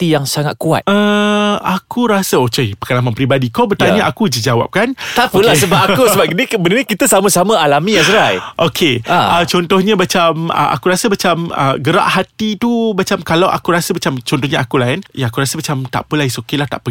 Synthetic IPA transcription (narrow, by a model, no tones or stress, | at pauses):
t̪ijaŋsaŋat̪̚kua̰t̪əakʰuɾasaokejpḁkalaŋmãnpɾibadikobət̪aɲaʔakud͡ʒəd͡ʒawa̰p̚kant̪apəlsəbap̚akusəbap̚ənibənənikit̪asamãsamãalamĩjasəɾajʔokʰeaət͡ʃɔnt̪ɔhɲãmat͡ʃamə̰a̰kuɾasamat͡ʃamə̰ɡəɾa̰ʔhat̪it̪umat͡ʃamkalawʔa̰kuɾasamat͡ʃamt͡ʃɔnt̪ɔhɲãakulaɪnjaakuɾasəmat͡ʃamt̪a̰ʔpəlaisokelaht̪a̰ʔpə